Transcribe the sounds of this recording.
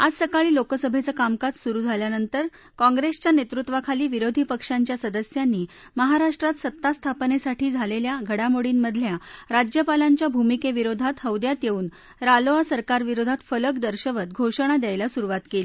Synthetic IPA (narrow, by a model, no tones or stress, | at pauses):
ad͡zsəkaɭiːlokəsəbʱet͡səkamkat͡ssuɾuːd͡zʱaljanənt̪əɾ | kɔ̃ŋɡɾest͡ɕjanet̪ɾut̪ʋakʰaliːʋiɾod̪ʱiːpəkʂaɲt͡ɕjasəd̪əsjanːiː | məɦaɾaʂʈɾat̪sət̪ːast̪ʰapnesaʈiːd͡zʱaleljaɡʱəɽamoɽiːnməd̪ʱljaɾad͡ʑjəpalaɲt͡ɕjabʱumikeʋiɾod̪ʱat̪ɦəwd̪jat̪jeuːn | ɾaloasəɾkaɾʋiɾod̪ʱat̪fələkd̪əɾɕəʋət̪̚ɡʱoʂəɳ̃ad̪jajlasuɾuʋat̪keli